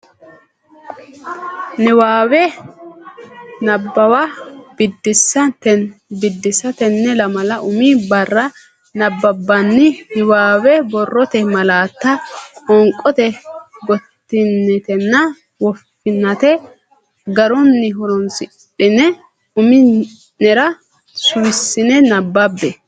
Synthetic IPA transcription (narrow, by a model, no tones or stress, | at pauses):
nɪwaːwɛ | nɐbːɐwɐb̥ɪd̪ːɪsːɐnt̪ɛnbɪd̪ːɪsɐt̪ɛnːɛlɐmɐlɐʔʊmibɐrːɐ | nɐbːɐbːɐnːɪhɪwaːwɛbɔrːɔt̪ɛmɐlaːt̪ːɐɔŋkʼːɔt̪ɛɡɔt̪ːɪnːɛt̪ɛnːɐ | wɔfːɪnːɐt̪ɛ | ɡɐɾɔnːɪɦɔɾɔnsɪ | ɗɪnɛ | ʊmɪ | nɛɾɐ | sʊwɪsːɪnɛnɐbːɐbːɛ